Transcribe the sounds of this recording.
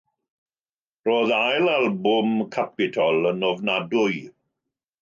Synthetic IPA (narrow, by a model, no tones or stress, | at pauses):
roːðajlalˠbʊmkʰapɪtʰɔlˠənɔvnadʊj